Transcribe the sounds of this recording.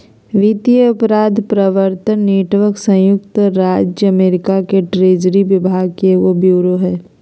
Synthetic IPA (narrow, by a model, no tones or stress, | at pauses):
ʋit̪ijəʊpɾaːd̪ʱpɾəʋəɾt̪ənːiːʈʋəksə̃jʊkt̪ɾaːd͡ʒjəɐmeːɾɪkakeʈɾeːd͡ʒɾiʋɪbʱaːɡkeʋobjuːɾoɦɛː